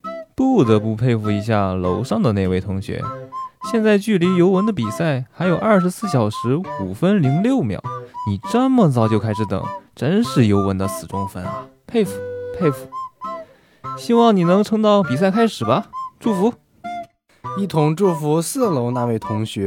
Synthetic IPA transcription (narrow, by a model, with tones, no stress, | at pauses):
pu˥˩t̪ɤ˧˥pu˥˧pʰe˥˧ɪfu˧˩i˧˥ɕ̬ja̰˥˩lo˧˥ʊʂɑ˥˧ŋd̪ə˩ne˥˧ɪwe˥˩ɪt̪ʰʊ˧˥ŋɕɥɛ̰˧˥ɕjɛ˥˧nt͡sa˥˧ɪt͡ɕy˥˩li˧˥jo˧˥ʊwə˧˥nd̪ə˧pi˨˩sa˥˩ɪxa˧˥ɪjo˨˩ʊʔɐ˞˥˩ʂɻ̩˧˥sɹ̩˥˩ɕjɑ˨˩ʊʂɻ̩˧˥u˨˩fə˥nli˧˥ŋljo˥˩ʊmjɑ̰˨˩˦ʊni˨˩ʈ͡ʂə˥˧mə˨t͡sɑ˥˧ʊt͡ɕjo˥˧ʊkʰa˥ɪʂ̬ɻ̩˧˥t̪ɤ̰˨˩˦ŋʈ͡ʂə˥nʂɻ̩˥˩jo˧˥ʊwə˧˥nd̪ə˧sɹ̩˨˩ʈ͡ʂʊ˥ŋfə̰˥nɐ̰˩pʰe˥˩ɪfu̥˨˧˩pʰe˥˩ɪfu˨˧˩ | ɕi˥wɑ˥˩ŋni˨˩nɤ˧˥ŋʈ͡ʂʰɤ˥ŋt̪ɑ˥˩ʊpi˨˩s̬a˥˩ɪkʰa˥ɪʂɻ̩˨˩bɐ˦˧ʈ͡ʂu˥˩fu˧˥ | i˥˩t̪ʰʊ˧˥ŋʈ͡ʂu˥˩fu˧˥sɹ̩˥˩lo˧˥ʊna˥˧we˥˩ɪt̪ʰʊ˧˥ŋɕɥɛ˧˥